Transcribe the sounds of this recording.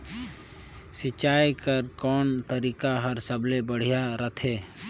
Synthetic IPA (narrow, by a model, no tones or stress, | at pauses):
sɪt͡ʃːaːjkəɾkɔːnt̪əɾiːkaɦəɾsəblebəɽ̤ijaɾət̪ʰeː